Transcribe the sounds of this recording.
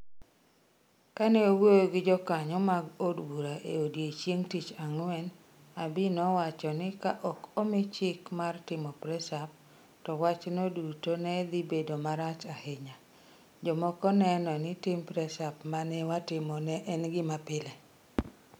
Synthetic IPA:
kanɛowojoɡɪd͡ʒɔkaɲɔmaɡodwuɾaʔḛodjet͡ʃjeŋtit͡ʃaŋwɛn | abɪnɔwat͡ʃɔnɪkaʔɔkomɪt͡ʃɪkmartɪmɔpɾɛsap̚ | tɔwat͡ʃnodutonɛd̪ɪbedomaɾat͡ʃaheɲa | d͡ʒɔmɔkɔnɛnɔnɪtɪmpɾɛsapmanɛwatɪmɔnɛʔɛnɡɪmapɪlɛ

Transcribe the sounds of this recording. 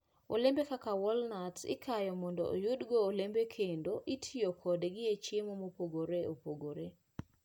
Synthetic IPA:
o̰lembekakawɔlnatɪ̰kʰajɔmɔndɔ̰ʔo̰judɡoːlembekʰendoʔitʰijokʰɔdeɡɪet͡ʃemomopoɡoɾeopoɡoɾe

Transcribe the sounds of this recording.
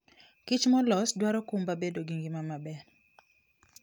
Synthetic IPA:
kit͡ʃmɔlɔsdwaɾɔkumbabedoɡiŋɡimamabɛɾ

